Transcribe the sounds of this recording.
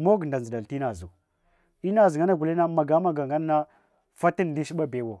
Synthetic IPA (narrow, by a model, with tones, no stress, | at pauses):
mo˦ɡnda˨n˨zə˨da˨ti˦na˨zu˨ | i˦na˦˨zŋa˦na˦ɡu˨li˦na˦ma˨ɡa˨˦ma˦ɡa˨ŋɡa˦n˦na˦ | fa˦ti˦n˨di˦ʃi˦ɓa˦be˨wo˨